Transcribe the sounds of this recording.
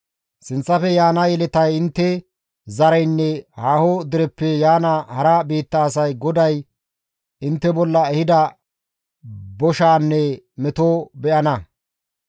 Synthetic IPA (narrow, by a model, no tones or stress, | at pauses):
sɪnt͡sːɐfɛjaːnɐjɛlɛt̪ɐjɪnt̪ːɛ | zɐɾɐjnːɛhaːhod̪ɪɾɛpːɛjaːnɐhɐɾɐbiːt̪ːɐːsɐjɡɔd̪ɐj | ɪnt̪ːɛbɔlːɐɛhɪd̪ɐ | bɔʃaːnːɛ | mɛt̪oːbɛʔɐnɐ